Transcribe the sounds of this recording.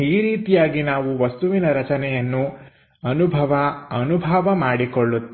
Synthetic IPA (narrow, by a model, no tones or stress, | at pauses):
iːɾiːt̪ijaːɡinaːʋuʋɐst̪uʋinɐɾɐt͡ʃɐnɛjɐnːu | ɐnubʱɐʋɐɐnubʱɐʋɐmaːɽikoɭːut̪ː